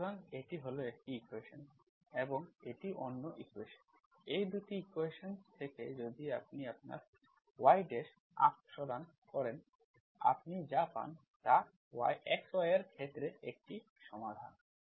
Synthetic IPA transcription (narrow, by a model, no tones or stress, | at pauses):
aneʈiɦoloek̚ʈiikweʃon | eboŋeʈiʔonːoʔikweʃon | ejd̪uʈiikweʃont̪ʰeked͡ʑod̪iapniap̚na̰ɾ | wajɖeʃ | a̰kʃɔd̪an | kɔɾen | a̰pnid͡ʑapa̰n | t̪a | wa̰jɛksajaɾkʰet̪ːɾeek̚ʈi | ʃɔmad̪ʱa̰n